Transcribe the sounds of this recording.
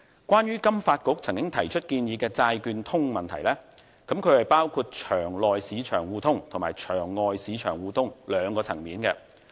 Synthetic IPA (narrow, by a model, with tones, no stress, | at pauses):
kwaː˥njyː˥kɐ˥mfaː˧t̚kʊ˨˥k̚t͡sʰɐ˨˩ŋkʲɪ˥ŋt̪ʰɐ˨˩jt͡ʃʰɵ˥t̚kiː˧njiː˨˧kɛː˧t͡saː˧jkyː˧nt̪ʰʊ˥ŋmɐ˨nt̪ʰɐ˨˩jlɛː˥ | kɐ˨˥mkʰɵ˨˧ɥhɐ˨jpaː˥wkʰuː˧t̚t͡ʃʰœː˨˩ŋlɔː˨jsiː˨˥t͡ʃʰœ̰ː˨˩ŋwuː˨˧t̪ʰʊ˥ŋt̪ʰʊ˨˩maː˨˩jt͡ʃʰœː˨˩ŋːɔː˨jsiː˨˧˥t͡ʃʰœː˨˩ŋwuː˧t̪ʰʊ˥ŋlœː˨˧ŋkɔː˧t͡sʰɐ̰˨˩ŋmiː˨˥nkɛː˧